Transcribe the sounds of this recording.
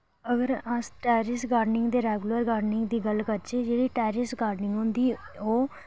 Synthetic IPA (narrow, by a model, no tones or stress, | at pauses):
əɡəɾəsʈɛːɾɪsɡaːɾɖnɪŋɡd̪eːɾɛːɡləɾɡaːɾɖnɪŋɡd̪iːɡəlkəɾt͡ʃeːd͡ʒeːɽiːʈɛːɾɪsɡaːɾɖnɪ̃ŋɡɦʊ̃nd̪iːoː